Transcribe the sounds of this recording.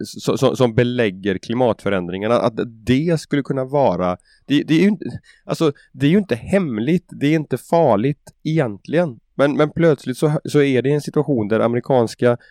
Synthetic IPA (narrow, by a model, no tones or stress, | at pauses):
sɔ̰sɔsɔmbɛlɛɡːəɾkʰlɪmɑːt̪fœɾɛnd̪ɾɪŋaɳaʔa̰t̪d̪ɛskɵlːəkʰɵnːavɑːɾa | d̪̥ɛd̪ɛæjɵɪnt̪ə | ʔalsɔ | d̪ɛæɾjɵɪnt̪əhɛmlɪɡt̪d̪ɛɾɪnt̪əfɑːɭɪt̪ɛjɛnt̪ʰlɪɡən | mɛnmɛnpʰlœt̪slɪt̪sɔsɔæɖɛɛnsɪt̪ɵaɧuːnd̪æɾʔa̰mɾɪkʰɑːnska